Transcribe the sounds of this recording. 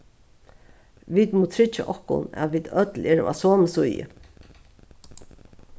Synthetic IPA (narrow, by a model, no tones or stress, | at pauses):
ʋiːt̪muːt̪ʰɾɪt͡ʃːa̰ʔɔhkʊ̰næ̰ðʋiːt̪œt̪lɛːɾa̰soːməsʊjə̰